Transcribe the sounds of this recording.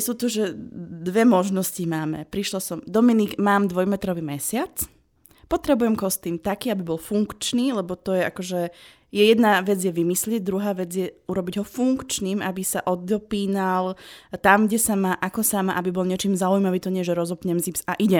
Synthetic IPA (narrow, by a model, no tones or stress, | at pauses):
suːt̪ɔʒɛd̪ʋɛmɔʒnɔscimaːmɛ̰pɾiʃlɔsɔmd̪ɔminiɡmaːmd̪ʋɔjmɛt̪ɾɔʋiːmɛsɪat͡s | pɔt̪ɾɛbujɛmkɔst̪iːnt̪akiːabibɔlfuŋkt͡ʃniːlɛbɔt̪ɔjɛakɔʒɛ | jɛjɛd̪naʋɛd͡zjɛʋimislɪɛɟ̚d̪ɾuɦaːʋɛd͡zɪjɛuɾɔbiɟɦɔfuŋkt͡ʃniːmʔabisaʔɔd̪ɔpiːnalt̪amɡɟɛsamaʔakɔsamaʔabibɔlɲɪɛt͡ʃiːmzaujmaʋiːt̪ɔɲɛʒɛɾɔzɔpɲɛmzipsaʔiɟɛ